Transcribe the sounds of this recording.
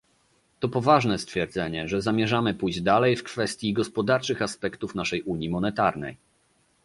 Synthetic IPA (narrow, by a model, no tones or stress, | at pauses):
t̪ɔpɔvaʐnɛst̪fʲjɛɾd̪zɛɲɛʐɛzamʲjɛʐamɘpujʑd͡ʑd̪alɛjfkfɛst̪ʲjiɡɔspɔd̪aɾt͡ʂɘxaspɛkt̪ufnaʂɛjʔuɲjimɔnɛt̪aɾnɛ̰j